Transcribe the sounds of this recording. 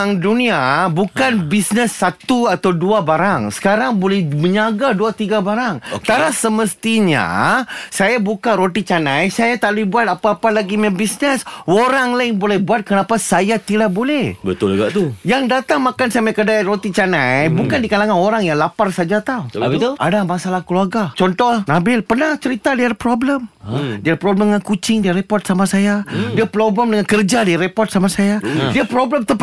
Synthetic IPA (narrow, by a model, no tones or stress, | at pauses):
ŋduniabukanbisnəsːat̪uat̪awduabaɾaŋsə̥kaɾaŋbolɛhməɲaɡaduat̪iɡabaɾaŋot̪aɾasəməst̪iɲa̰sajabukaɾot̪it͡ʃanajsajat̪aluibuat̪̚apaːpalaɡimɛmbisnəsoɾaŋlaɪŋbolɛhbuat̪̚kənapasajat̪ilahbolɛhbət̪ʊlɡa̰ʔt̪ujaŋdat̪aŋmakansamakədaɾot̪it͡ʃanajbukandikalaŋanoɾaŋjaŋlaparsad͡ʒat̪awbit̪uʔa̰damasalahkəluarɡat͡ʃɔnt̪ɔhnabɪlpərnaht͡ʃəɾit̪adiadapɾobləmdiaapɾɔbləməŋankut͡ʃɪŋdiaɾepɔrt̪̚samasajadiapɾobləmdəŋankərd͡ʒadiaɾepɔrt̪̚samasajadiapɾobləmt̪əp